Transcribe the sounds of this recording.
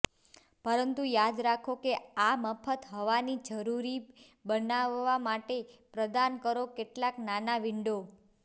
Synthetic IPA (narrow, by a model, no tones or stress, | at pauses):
pəɾənt̪ũjad̪ɾakʰokeaməfʰət̪ɦəʋanid͡ʒəɾuɾi | bənaʋːamaʈepɾəd̪ankəɾokeʈlaknanaʋɪɳɖo